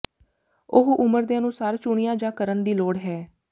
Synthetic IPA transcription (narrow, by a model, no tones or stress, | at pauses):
ʊɦʔʊməɾd̪eːənʊːsaːɾt͡ʃʊɳɪjãːd͡ʒãːkəɾənd̪iːloːɽɦɛː